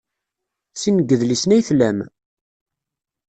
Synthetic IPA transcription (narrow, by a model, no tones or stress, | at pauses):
sinəɡːəðlisnæjθlæm